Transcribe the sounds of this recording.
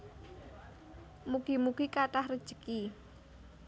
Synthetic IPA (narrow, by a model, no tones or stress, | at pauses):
muɡ̥imuɡ̥ikaʈahrəd̥ʒ̥ə̤̥ki